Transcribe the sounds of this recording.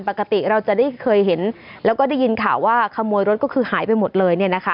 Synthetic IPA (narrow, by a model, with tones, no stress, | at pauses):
npa˨˩ka˧t̪i˨˩ɾa˧wt͡ɕa˨˩daː˥˩jkʰɤː˧jɦe˩˦nlɛː˦˥wkɔ˥˩da˥˩ji˧nkʰaː˨˩wːaː˥˩kʰa˧mːuː˧jɾo˦˥t̪̚kɔː˥˩kʰɯː˧haː˩˦jpa˧jmo˨˩t̪̚lɤː˧jni˥˩ɐna˦˥kʰa˦˥